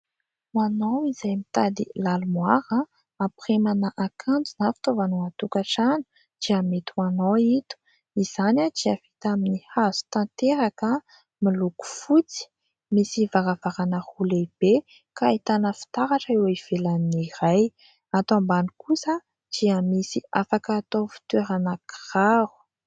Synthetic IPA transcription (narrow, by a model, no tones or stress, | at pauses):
anawizajmit̪ad̪ḭlalumwaɾa | apremanaʔakʰand͡zunafi̥t̪ovanuat̪ukaʈ͡ʂanu̥ | d͡ʒ̥iamet̪umanoit̪u̥ | iz̥anad͡ʒiafi̥t̪aminihazu̥t̪ant̪eɾakə | miluku̥fut͡si̥ | misivaɾavaɾanəhuleb̥e | kait̪anəfi̥t̪aɾaʈ͡ʂəewiv̥elaniɾaj | at̪oambanikusə | d͡ʒ̥iamisiafakaːt̪ofi̥t̪weɾanakraɾu̥